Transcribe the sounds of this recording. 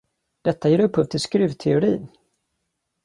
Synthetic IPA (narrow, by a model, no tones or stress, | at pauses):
d̪̥ɛt̪ːajeːɾɵphɵːvt̪ʰɪlskɾʉ̟ːvt̪ʰɛʊɾiːn